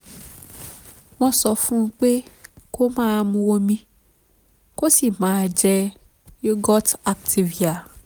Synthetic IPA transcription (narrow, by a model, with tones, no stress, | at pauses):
w̃ɔ̃˧sɔ˧fũ˦˧˦k͡pe˦ko˦mãː˦˧mũ˧wo˧mĩ˧ | ko˦si˦˨mãː˨˦d͡ʒɛ˧ | jo˦ɡɔ˦ta˨k̚tʰi˨vi˨a˨